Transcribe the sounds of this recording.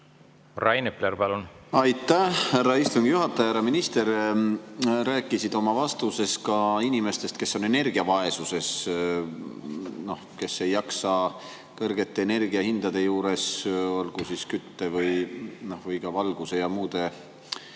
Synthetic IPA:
rɑjnepleɾpɑlunɑjt̪ˑːæhærːɑist̪uŋɡ̥juɦɑt̪ːˑɑjɑhæɾɑminist̪e̞ɾ | ɾæːkːˑisid̪̥o̞mɑvɑst̪use̞skɑinʲime̞st̪e̞st̪ke̞sːo̞ne̞ne̞rɡ̥iɑvɑe̞suse̞s | no̞hke̞sːe̞jːɑksɑ | kɤrɡ̥e̞t̪ːe̞ːne̞rɡ̥iɑhind̪̥ɑd̪̥e̞juːɾe̞so̞lɡ̥usiskyt̪ːevɤjno̞hvɯjɡ̥ɑvɑlɡ̥use̞jɑmuːd̪̥e̞

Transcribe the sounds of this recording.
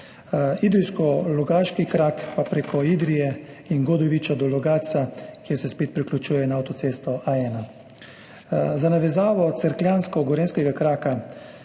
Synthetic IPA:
id̪ɾiskɔlɔɡaːʃkikɾakpapɾeːkɔid̪ɾijɛ | inɡɔd̪ɔʋit͡ʃɔd̪ɔlɔɡaːsakjeɛɾsɛspeːt̪̚pɾiklʲut͡ʃuːjɛnaːwt̪ɔt̪eːst̪ɔʔaɛːna | zanaʋɛzaːʋɔt̪sɛɾklʲjanskɔɡɔɾeːnskɛɡakɾaːka

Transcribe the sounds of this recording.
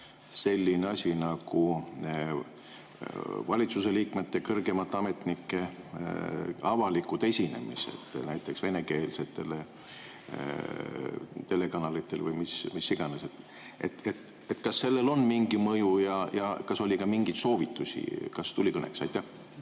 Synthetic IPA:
se̞lʲːineɑsʲinɑɡ̥u | vɑlʲit̪suse̞liːkme̞t̪ːekɤrɡ̥emɑt̪ːˑeɑme̞t̪nikːˑe̞ | ɑvɑlikːˑut̪e̞sʲine̞̰mḭsḛt̪næjt̪ːˑe̞ksve̞ne̞ke̞ːlse̞t̪ːe̞le | t̪e̞le̞kɑnɑlit̪ːˑe̞lvɤjmismisːiɡ̥ɑneset̪ːˑ | ʔet̪et̪ | et̪ːkɑsːe̞lːe̞lo̞nmiŋɡimɤjujɑjɑkɑso̞lʲikɑmiŋɡ̥it̪so̞ːvit̪ːˑusʲḭkɑst̪ulʲikɤnḛksɑjt̪ːˑæh

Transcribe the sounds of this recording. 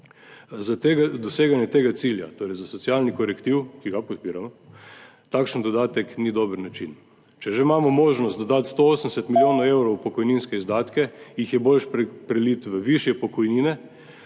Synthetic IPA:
zat̪eɡad̪ɔseːɡanjɛt̪eːɡasilja̰t̪oːɾɛɪjzasɔsijalnikɔɾɛkt̪iwkiɡapɔt̪̚piːɾamɔ | t̪akʃənd̪ɔd̪aːt̪ɛknid̪obəɾnat͡ʃin | t͡ʃɛʒemaːmɔmoːʒnɔst̪d̪ɔd̪at̪st̪ooːsən̩sɛt̪miljoːnɔewɾowpɔkɔjninskɛizd̪aːt̪kɛjixjɛbolʃpɾɛlit̪ʋəʋiʃjɛpɔkɔjniːnɛ

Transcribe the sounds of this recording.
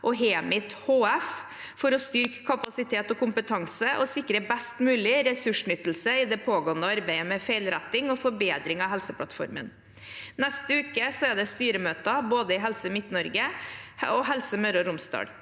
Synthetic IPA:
ʔɔɦeːmɪt̪hoːæf | fɔɾɔst̪ʏɾkə̥kʰɑpɑsɪt̪ʰeːt̪ɔkʊmpət̪ʰɑŋsəʔɔsɪkːɾəbæst̪mʉːlɪɾɛsʉʂɳʏt̪ːl̩səɪd̪ɛpʰoːɡoːənəɑɾbæɪəmɛfæɪlɾæt̪ːɪŋɔfɔɾbeːd̪ɾɪŋɑɦɛlsəpʰlɑt̪fɔ̰ɾmə̰n | næst̪əʉːkəsɔæɖ̪ɛst̪yːɾəmøːt̪ɑboːd̪əɪɦɛlsəmɪt̪nɔɾɡə | ɔɦɛlsəmœɾɔɾʊmst̪ɑ̰ːɖ̪

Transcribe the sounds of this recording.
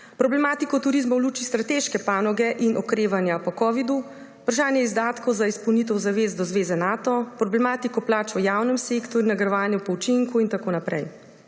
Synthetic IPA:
pɾɔblɛmaːt̪ikɔt̪uɾizmɔwluːt͡ʃist̪ɾat̪eːʃkɛpaːnɔɡɛʔinʔɔkɾeːʋanjapɔkɔːʋid̪uː | pɾaʃaːnjɛizd̪aːt̪kɔwzaispɔwnit̪əwzaʋeːzd̪ɔzʋeːzɛnaːt̪ɔpɾɔblɛmaːt̪ikɔplaːt͡ʃɔjaːwnɛmseːkt̪ɔɾjunaɡɾʋaːnjupɔut͡ʃiŋkuint̪akoːnapɾɛ̰j

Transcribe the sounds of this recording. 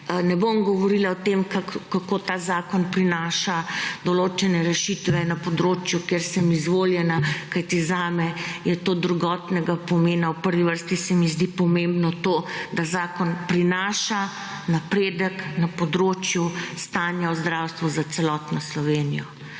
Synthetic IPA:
nɛbomɡɔʋɔɾilaɔt̪emkakkakoːt̪aːzaːkɔnpɾinaːʃad̪ɔloːt͡ʃɛnɛɾɛʃit̪ʋɛnapɔd̪ɾoːt͡ʃjukeɾsɛmizʋoːljɛnakajt̪izaːmɛjɛt̪oːd̪ɾuɡɔt̪nɛɡapɔmeːnawpəɾʋiʋəɾst̪isɛmizd̪ipɔmẽmbnɔt̪oːd̪azaːkɔnpɾinaːʃa | napɾeːd̪əknapɔd̪ɾoːt͡ʃjust̪aːnjaɔzd̪ɾawst̪ʋɔzat̪sɛlɔt̪nɔslɔʋeːnijɔ

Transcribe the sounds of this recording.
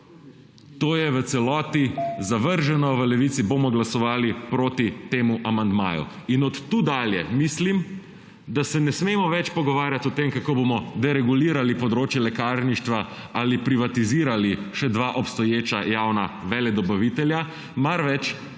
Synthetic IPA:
t̪oːjɛʋət̪sɛlɔːt̪izaʋəɾʒɛnɔʋəlɛʋit̪siboːmɔɡlasɔʋaːlipɾoːt̪it̪eːmuʔamand̪ma̰ːjṵinɔt̪ːuːd̪aljɛ̰mislim | d̪asɛnɛsmemɔʋɛt͡ʃpɔɡɔʋaːɾjat̪ɔt̪emkakoːbomɔd̪ɛɾɛɡuliːɾalipɔd̪ɾoːt͡ʃjɛlɛkaːɾniʃt̪ʋaalipɾiʋat̪iziːɾaliʃɛd̪ʋaʔɔpst̪ɔjeːt͡ʃajawnaʋɛlɛd̪ɔbaʋit̪ɛlja | maɾʋɛt͡ʃ

